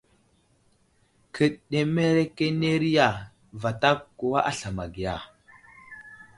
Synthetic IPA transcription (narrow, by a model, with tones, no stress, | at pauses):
kʰə˨ɗɗe˨me˦ɾe˦ke˦ne˦ɾi˦ja˨ | va˨ta˦kːu˨wa˦ʔa˦ɬa˨ma˨ɡi˨ja˨